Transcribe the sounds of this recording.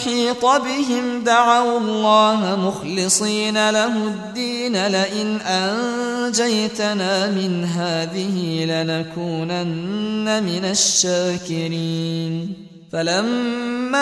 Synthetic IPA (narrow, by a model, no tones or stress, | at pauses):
ħiːt̪ˤɑbɪɦɪmd̪aʕawɑlˤːɑːɦmʊxlɪsˤiːnalaɦʊd̪ːiːnalaʔɪnʔand͡ʒajt̪anaːmɪnɦaːðɪhilanakuːnanːamɪnaʃːaːkɪɾiːn | falamːa